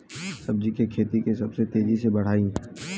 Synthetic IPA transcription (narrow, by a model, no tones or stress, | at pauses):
sɐb̚d͡ʒikekʰeːt̪ikesɐbset̪eːd͡ʒisebɐɽ̤aːĩ